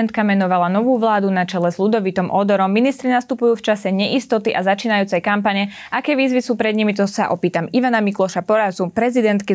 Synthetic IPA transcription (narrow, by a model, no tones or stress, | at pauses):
nt̪kamɛnɔʋalanɔʋuːʋlaːd̪unat͡ʃɛlɛzʎud̪ɔʋit̪ɔmʔɔd̪ɔɾɔmːinist̪ɾinast̪upujuːft͡ʃasɛɲɛʔist̪ɔt̪iʔazat͡ʃiːnajuːt͡sɛjkampaɲɛ | ʔakɛːʋiːzʋisuːpɾɛd̪ɲimit̪ɔsa̰ʔɔpiːt̪amiʋanamiklɔʃapɔɾazupɾɛzid̪ɛnt̪ki